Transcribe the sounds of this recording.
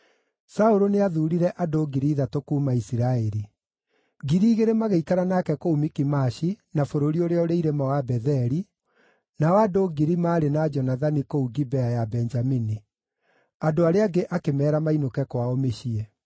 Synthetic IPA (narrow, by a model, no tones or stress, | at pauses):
saoɾoneaðuɾiɾɛʔadoɡiɾiːðatokuːmaisiɾaeɾi | ɡiɾiːɣeɾemaɣeikaɾanakɛkoumikimaɕinafoɾoɾioɾeɔɾeiɾemawabɛðɛɾi | nawadoɡiɾimaːɾenad͡ʒɔnaðanikouɡibɛajabɛnd͡ʒamini | adoaɾeaɡeʔakemɛːɾamainokɛkwaomeɕiɛ